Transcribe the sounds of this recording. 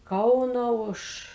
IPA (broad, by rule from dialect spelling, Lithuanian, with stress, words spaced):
ˈkɐʊnoː ˈʊʃ